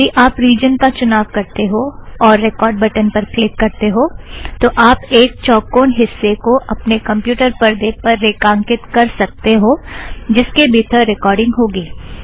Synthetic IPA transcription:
iʔaːpɾiːd͡ʒənkat͡ʃʊnaːʋkɐɾt̪eɦoɔːɾːekɔːɾɖbɐʈənpɐɾpʰɪk̚kɐɾt̪eɦoːt̪oʔaːpeːk̚t͡ʃɔːkːoːnɦɪsːekoʔɐpnekɐ̃mpjuːʈəɾpɐɾd̪eːpɐɾːeːkãːŋkɪt̪kɐɾsɐk̚t̪eɦoːd͡ʒɪskebiːt̪ʰəɾɪkɔːɾɖɪ̃ŋɡɦoːɡiː

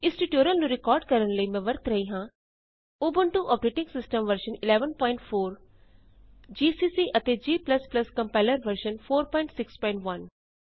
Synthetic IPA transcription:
ɪ̃sʈiʈjoːɾəlnuɾɪkɔːɾɖ̚kɐɾə̃ɳlimẽʋɐɾt̪ʰɾɐɦiɦãː | oːbəɳʈuʔɔːpɾeːʈɪ̃ŋɡsɪsʈə̃mʋɐɾʃənɪleːʋənpɔ̃ːɪ̃ɳʈfoːɾ | d͡ʒiːsiːsiːʔɐt̪ed͡ʒiːplɐsplɐskɐ̃mpaɪləɾʋɐɾʃənfʰoːɾpɔ̃ːɪɳʈsɪkspɔ̃ːɪ̃ɳʈʋɐn

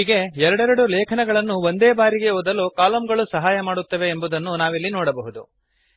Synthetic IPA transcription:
iːɡe̞ɛɾɐɽɛɾɐɽulɛːkʰɐnɛɡɐɭɐnːuʋo̞nd̪eːbaːɾiɡe̞oːd̪ɐlːukaːlɐmɡɐɭusɐɦaːjɐmaːɽut̪ːɐʋe̞ːmbud̪ɐnːunaːʋilːinɔːɽɐbɐɦud̪u

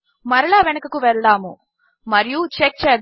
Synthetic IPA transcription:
mɐɾɐɭaːʋenɐkɐkuʋɛɭd̪aːmu | mɐɾijut͡ʃek̚t͡ʃɛːd̪

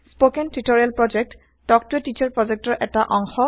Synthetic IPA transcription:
spokɛntɹitoɹialpɹɔd͡ʒek̚t | tɔk̚tuetit͡ʃʰɔɹpɹɔzɛk̚tɔɹʔɛtaʔɔŋxɔ

